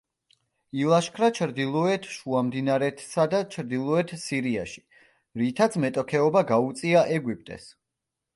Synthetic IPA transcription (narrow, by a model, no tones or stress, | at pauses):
ilˠaʃkʰɾat͡ʃʰɾd̪ilˠɔɛt̪ʰʃuamd̪inaɾɛt̪ʰsad̪at͡ʃʰɾd̪ilˠɔɛt̪ʰsiɾiaʃi̥ | ɾit̪ʰat̪sʰmɛt̪ʼɔkʰɛɔbaɡaut̪sʼiaʔɛɡwip̚ʰt̪ʼɛ̰s